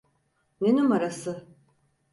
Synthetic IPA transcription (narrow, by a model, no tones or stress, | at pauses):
nenymaɾasɯ